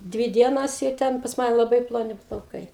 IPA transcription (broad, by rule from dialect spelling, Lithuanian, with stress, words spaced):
ˈdʲʋʲiː ˈdʲiɛnoːs ɪ ˈtʲɛn pɐs ˈmɑːnʲɛ lˠɐˈbɐɪ plˠoːˈnʲɪ plˠɐʊˈkɐɪ